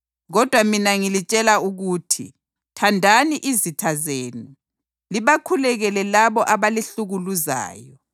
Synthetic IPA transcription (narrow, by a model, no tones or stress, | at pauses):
ɣɔd̥ʱwaminaŋilit͡ʃʼɛlauɣuːtʰḭ | tʰandʱaniʔizitʰazeːnu | liβakʰulɛɣɛlɛlaβɔʔaβaleɬuɣuluza̰ːjɔ